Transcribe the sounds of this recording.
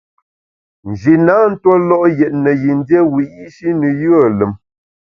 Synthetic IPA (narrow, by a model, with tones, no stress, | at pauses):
n̩˨d͡ʒi˨na˨˦n̩˦two˦lɔ˦ʔjɛ˨ʔ̚nə˨ji˨n˦dje˦wi˨i˦ʃi˦nə˨jə˨lə˨m